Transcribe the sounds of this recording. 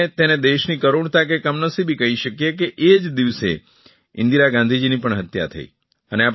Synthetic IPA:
et̪ened̪eʃnikəɾoɳt̪ak̬ekəmnəsibʱikəɦiʃəkjekeʔed͡ʒd̪iʋsḛ | ɪ̰nd̪iɾaɡãnd̪ʱid͡ʒinipəɳɦət̪ja̰t̪ʰə̰ḭ | əneap

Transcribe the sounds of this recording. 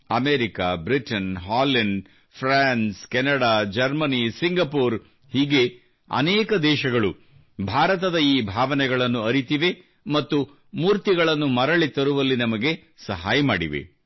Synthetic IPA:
ɐmeːɾikabɾiʈɐnɦaːlɐɳɖ | pʰɾaːnskɛnɐɽaːd͡ʒɐɾmɐnisiŋɡɐpuːɾ | hiːɡe̞ | ɐ̰nɛːkɐd̪ɛːʃɐɡɐɭu | bʱaːɾɐt̪ɐd̪ɐiːbʱaːʋɐnɛɡɐɭɐnːuɐɾit̪iʋe̞ | mɐt̪ːu | muːɾt̪iɡɐɭɐnːumɐɾɐɭit̪ɐɾuʋɐlːinɐmɐɡe̞ | sɐɦaːjɐmaːɽiʋḛ

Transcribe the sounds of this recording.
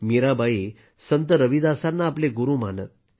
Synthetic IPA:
miɾabʱai | sənt̪əɾəʋid̪asanːaːpleɡuɾũːmanə̰t̪̚

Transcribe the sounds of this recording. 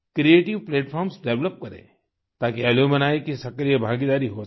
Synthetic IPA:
kɾieːʈiʋpleːʈfʰɔːɾmsɖɛʋləp̚kɐɾḛ̃ː | t̪aːkiɛːljomɐnaːikisɐkɾijəbʱãːɡid̪aːɾiɦo

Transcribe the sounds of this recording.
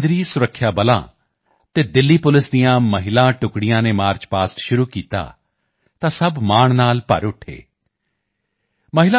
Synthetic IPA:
d̪ɾiːsʊɾəkʰːjaːbəlã̰ː | t̪eːd̪ɪlːiːpʊlɪsd̪ijãːməɦɪlãːʈʊkɽɪjãːneːmaːɾt͡ʃpaːsʈʃʊɾuːkiːt̪a̰ː | t̪ãːsəbmaːɳnaːlpə̰ɾʊʈʰːḛː | məɦɪla

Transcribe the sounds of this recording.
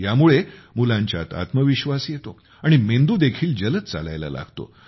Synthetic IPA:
jamuɭemulãɲt͡ɕja̰t̪a̰t̪məʋiɕʋasjet̪o | aɽ̃imend̪uːd̪ekʰiːld͡ʑələt̪t͡sala̰jla̰la̰ɡ̥t̪o̰

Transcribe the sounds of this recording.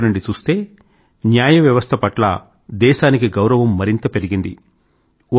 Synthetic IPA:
nɐɳɖit͡ʃuːst̪e̞ː | njaːjɐʋjɐʋɐst̪ʰɐpɐʈlɐ̰ | d̪ɛːʃaːnikiɡɐwɾɐʋɐmːɐɾint̪ɐpe̞ɾiɡind̪i

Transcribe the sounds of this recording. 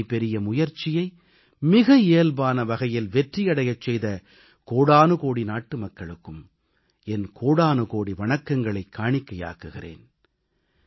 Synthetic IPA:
ɪpɛɾɪjɐmʊjɐɾt͡ʃːɪjɐɪ | mɪɣɐeːlbaːnɐʋɐɣɐjɪlʋɛʈrijɐɽɐjɐt͡ʃːɛjðɐ | koːɽaːnɯkoːɽinaːʈːɯmɐkːɐɭɯkːɯm | ɛnkʰoːɽaːnɯkoːɽiʋɐɳɐkːɐŋɡɐɭɐɪkʰːaːɳɪkːɐja̰ːkɯɣɪrḛːn

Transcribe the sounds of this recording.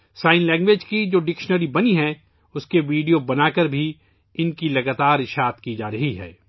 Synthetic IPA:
saːɪnlɛ̃ːŋɡʋeːd͡ʒkid͡ʒoːɖɪkʃnəɾibɐniɦɛ | ʊskeʋiːɖijobɐnaːkəɾbʱi | ɪnkilɐɡaːt̪aːɾɪʃaːt̪kid͡ʒaːɾɐɦiɦɛ̰ː

